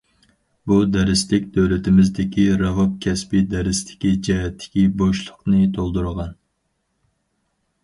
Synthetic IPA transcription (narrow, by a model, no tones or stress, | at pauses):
bud̪ɛɾɪst̪ɪkʲd̪øwlɪt̪ʰɪmɪzd̪ɪkʲiɾɑvɑp̚kʲʰɛspɪd̪ɛɾɪst̪ʰɪ̥kʲid͡ʒɛɦɛt̪ʰːɪ̥kʲiboʃlˠʊqnɨt̪ʰolˠd̪uɾəʁɑn